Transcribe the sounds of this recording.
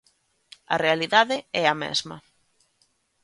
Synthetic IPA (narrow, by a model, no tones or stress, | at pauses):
ɐ̰realiðaðɪɛɐmɛ̰zmɐ̰